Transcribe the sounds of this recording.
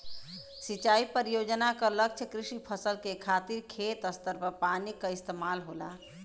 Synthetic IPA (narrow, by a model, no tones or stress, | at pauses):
sit͡ʃaipəɾijod͡ʒənakələk̚t͡ʃʰəkɾisipʰəsəlkekʰat̪iɾkʰet̪əst̪əɾpəpanikəist̪emalɦola̰